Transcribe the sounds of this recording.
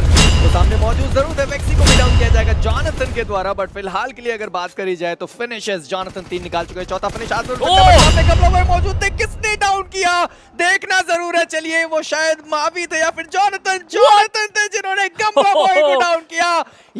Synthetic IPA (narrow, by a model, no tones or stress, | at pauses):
kosaːmnemɔːd͡ʒuːd̪zɐɾuːd̪ɦɛʋɛːk̚sikobiɖaːʊnkijad͡ʒaːeɡad͡ʒaːnət̪ənked̪waːɾabɐʈfɪlɦaːlkelieɐɡəɾbaːt̪kɐɾid͡ʒaːet̪ofɪnɪʃɪsd͡ʒaːnət̪ənt̪iːnːɪkaːlt͡ʃʊkaɛt͡ʃɔːt̪ʰafɪnɪʃaːd̪mɐɾueəãːẽɡɐ̃mlabaːimɔːd͡ʒuːd̪̚t̪ʰɛkɪsnẽɖaːʊnkijaː | d̪eːkʰnazɐɾuːɾɦɛt͡ʃɐlieʋoʃaːjəd̪maːʋit̪ʰejafɪɾd͡ʒaːnət̪ənd͡ʒaːnət̪ənt̪ʰed͡ʒɪnõːneɡɐmlapaːiɖaːʊnkijaː